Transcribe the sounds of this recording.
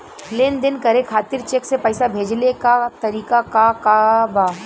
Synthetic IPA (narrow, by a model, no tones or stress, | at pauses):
leːnd̪ɪnkɐɾekʰaːt̪ɪɾt͡ʃeːksepɛːsabʱeːd͡ʒlekat̪ɐɾiːkakakabaː